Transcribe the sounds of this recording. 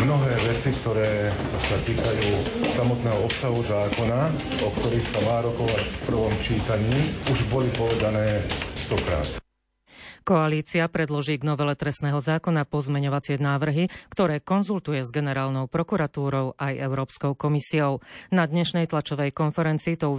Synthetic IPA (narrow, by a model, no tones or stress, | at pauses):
mnɔɦɛːʋɛt͡sikt̪ɔɾɛːsat̪iːkajuːsamɔt̪nɛːɦɔɔpsaɦuzaːkɔnaɔkt̪ɔɾixsamaːɾɔkɔʋacfpr̩ʋɔmt͡ʃiːt̪aɲiːuʒbɔlipɔʋɛd̪anɛːst̪ɔkɾa̰ːt̪ | kɔaliːt͡siapɾɛd̪lɔʒiːɡnɔʋɛlɛt̪ɾɛsnɛːɦɔzaːkɔnapɔzmɛɲɔʋat͡sɪɛnaːʋr̩ɦikt̪ɔɾɛːkɔnzult̪ujɛzɡɛnɛɾaːlnɔʊpɾɔkuɾat̪uːɾɔʊʔajɛʊɾɔːpskɔʊkɔmisiɔʊnad̪ɲɛʃnɛjt̪lat͡ʃɔʋɛjkɔnfɛɾɛnt͡siːt̪ɔu